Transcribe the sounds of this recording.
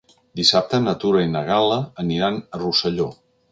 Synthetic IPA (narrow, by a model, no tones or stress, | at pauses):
d̪isap̚t̪ənət̪uɾəinəɣ̞aləːniɾanərusəʎo